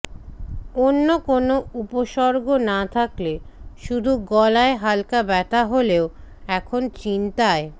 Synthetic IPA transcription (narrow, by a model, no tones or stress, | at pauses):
onːokonoupoʃɔɾɡonat̪ʰakleʃud̪ʱuɡɔlaeɦalkabɛt̪aɦoleo | ɛkʰont͡ɕint̪ae